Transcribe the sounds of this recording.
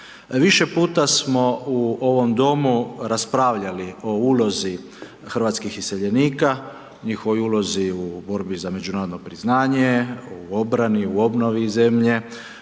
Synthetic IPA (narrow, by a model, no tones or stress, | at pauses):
ʋiʃe̞puːt̪asmo̞uo̞ʋo̞md̪o̞muɾaspɾaːʋʎalio̞uːlo̞zi | xr̩ʋat̪skixise̞ʎe̞niːka | ɲixo̞ʋojulˠo̞ziubo̞ɾbizame̞d͡ʒunaːɾod̪nopɾiznaːɲeuo̞bɾaniuo̞bno̞ʋize̞mʎe̞